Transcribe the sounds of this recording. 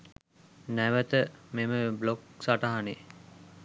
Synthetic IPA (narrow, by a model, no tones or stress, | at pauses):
næʋət̪əmeməblok̚saʈaɦane